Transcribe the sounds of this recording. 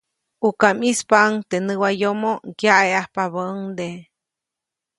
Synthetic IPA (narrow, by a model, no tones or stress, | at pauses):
ukamispaʔŋt̪enɨwajomokjaʔeahpaβəʔŋd̪e